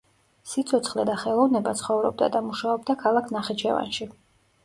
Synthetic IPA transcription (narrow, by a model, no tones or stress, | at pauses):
sit̪sʰɔt̪sʰχlɛd̪aχɛlˠɔvnɛbat̪sʰχɔvɾɔb̚d̪a̰d̪amuʃaɔb̚d̪akʰalˠakʰnaχɛt͡ʃʰɛ̰va̰nʃi